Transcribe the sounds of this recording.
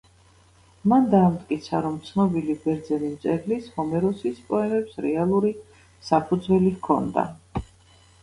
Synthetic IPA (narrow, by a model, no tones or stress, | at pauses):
mand̪aːmt̪ʼkʼit̪sʰaɾɔmt̪sʰnɔbilibɛɾd̪zɛnimt̪sʼɛɾlishɔmɛɾɔsispʼɔɛmɛpsɾɛalˠuɾi | sapʰud̪zwɛlikʰɔ̰nd̪a̰